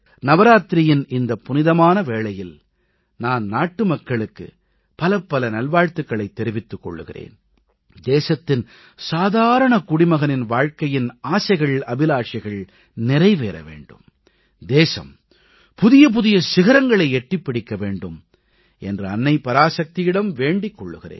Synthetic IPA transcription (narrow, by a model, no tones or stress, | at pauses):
nɐʋɐɾaːt̪ɾɪjɪnʔɪnd̪ɐpːʊnɪðɐmaːnɐʋeːɭɐjɪl | naːnnaːʈːɯmɐkːɐɭɯkːɯ̰ | pɐlɐpːɐlɐnɐlʋaːɻt̪ɯkːɐɭɐɪt̪ːɛɾɪʋɪt̪ːɯkːɔ̰ɭːɯɣɪ̰rḛːn | d̪eːsɐt̪ːɪn | saːðaːɾɐɳɐkʊɽɪmɐɣɐnɪnʋaːɻkɐjɪnaːsɐɪɣɐɭɐbɪlaːʈt͡ʃɪɣɐɭ | nɪɾɐɪʋeːɾɐ̰ʋḛːɳɖɯm | d̪eːsɐ̰m | pʊðɪjɐp̬ʊðɪjɐsɪɣɐɾɐŋɡɐɭɐɪɛʈːrɪpːɪɽɪkːɐʋeːɳɖɯm | ɛndrɯɐnːɐɪpːɐɾaːsɐk̚t̪ɪjɪɽɐmʋeːɳɖɪkːɔɭːɯɣɪrḛːn